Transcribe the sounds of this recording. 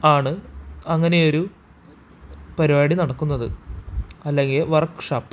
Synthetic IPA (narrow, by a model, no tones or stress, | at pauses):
aːɳɨɐŋːɐnejo̞ɾu | pɐɾiʋaːɽinɐɽɐkːunːɐðɨ | ɐlːe̞ŋɡilʋɐrkːʂaːpː